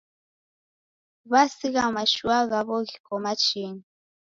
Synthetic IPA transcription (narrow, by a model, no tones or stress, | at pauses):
βasiɣamaʃuaɣaβɔɣikɔmat͡ʃini